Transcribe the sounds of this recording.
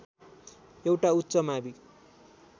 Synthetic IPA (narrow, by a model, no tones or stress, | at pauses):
ewʈaut̪ːsʌmabi